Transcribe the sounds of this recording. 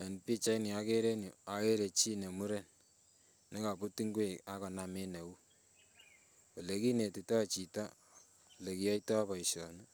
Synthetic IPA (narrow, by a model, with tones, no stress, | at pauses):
a˨npi˦t͡ʃa˦ini˨a˦ke˦ɾe˦nju˨a˨e˦ɾe˨t͡ʃi˦ne˨mu˦ɾe˦˨n | ne˦ka˨pu˦ti˦ŋɡwe˨ka˦kɔ˨na˨me˦ne˨u˦ | ɔ˨le˨˦ki˦ne˨ti˨ta˦˨t͡ʃi˨ta˦˨ | le˨ki˦jɔ˦itɔ˦pa˨i˨ʃɔ˨n˦